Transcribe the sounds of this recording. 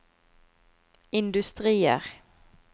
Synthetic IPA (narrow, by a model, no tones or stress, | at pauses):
ɪnd̪ʉst̪ʁiːə̰ʁ